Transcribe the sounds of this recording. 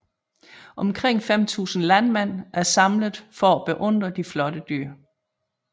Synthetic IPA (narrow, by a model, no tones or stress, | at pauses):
ʔɒ̽mkʰʁeŋ̰fem̰t͡sʰṵːsn̩lænmen̰ʔæɐsɑ̈mləð̩ˠfɒæb̥e̝ʔɔ̽n̰d̥ʁɐd̥iflɒ̽ɾ̥əd̥yɐ̰